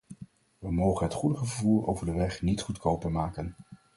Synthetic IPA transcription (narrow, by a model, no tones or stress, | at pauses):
ʋəmowχənɦətχudəχəvəɹvuːɹo̰wvəɹdəʋɛχnitχutkʰowpəɹmaːkən